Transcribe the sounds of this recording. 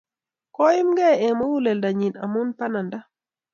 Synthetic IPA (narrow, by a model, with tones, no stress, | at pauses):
kɔ˦i˦mɡɛ˦ɛ˨mo˦wu˦lɛ˨lda˨ɲi˨na̰˨mu˦npa˦na˨nda˦